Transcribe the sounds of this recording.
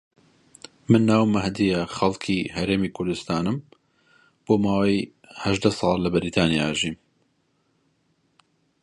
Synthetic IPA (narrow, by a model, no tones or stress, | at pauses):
mɨnːaːwmɐhd̪ijɐχɐlˠkʰihɐɾeːmiːkʰʊɾd̪ʊst̪aːnɨm | b̥oːmaːwɐj | hɐʒd̪ɐsˤɑːllɐbɪɾiːt̪ʰaːnijaʒiːm